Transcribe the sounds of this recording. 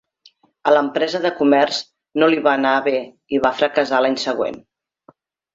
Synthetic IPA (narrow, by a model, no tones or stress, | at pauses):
ələmpɾɛzəðəkumɛrz̥ | noliβaːnaəβe | iβafɾəkəzalaɲsəɣ̞wḛn